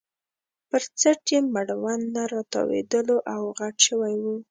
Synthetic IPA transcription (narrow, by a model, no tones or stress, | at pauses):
pəɾt͡saʈjemaɽawand̪aɾɑt̪ɑ̰wḛd̪əloʔawɣaʈʃəwajwu